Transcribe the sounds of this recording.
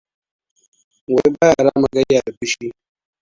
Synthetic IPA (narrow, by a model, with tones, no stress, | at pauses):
wɛ˨˦ba˦ja˨ɾa˦ma˦ɡa˦ja˨bi˦ʃi˦